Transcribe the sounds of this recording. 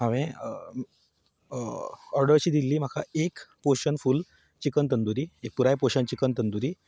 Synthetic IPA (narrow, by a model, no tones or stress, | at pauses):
ɦaʋẽ | ɔɾɖəɾt͡ɕiːd̪ilːiːm̤akʰa̰ekpoɕənful | t͡ɕikənt̪̬ənd̪uɾiːek̚puɾajpoɕənt͡ɕikənt̪ənd̪uɾiː